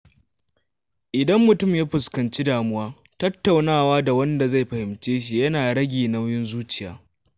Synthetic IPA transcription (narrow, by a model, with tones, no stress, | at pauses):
ʔɪ˨dɐ˦mːʊ˨tʊ˦˨mjaː˦ɸʊ˨skɐ˨nt͡ʃi˦daː˨mʊ˦waː˦ | tɐ˦tːa˨wnaː˦˨waː˦da˨wɐ˦nda˨za˦˨jɸɐ˨hɪ˨mt͡ʃeː˦ʃ̬i˨jɐ˦naː˨ɽɐ˦ɡʲiː˨na˦wjɪ˦nzuː˦t͡ʃɪ˨ja̰ː˦